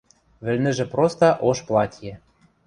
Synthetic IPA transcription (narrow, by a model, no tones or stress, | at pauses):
βɘ̆lʲnɘ̆ʒĕprost̪ɑ̆ʔoʃplˠɑtʲjĕ